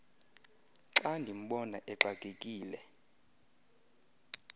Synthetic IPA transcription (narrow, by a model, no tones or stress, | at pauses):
ǁandʱim̩ɓɔnaʔɛǁakʼekʼiːlɛ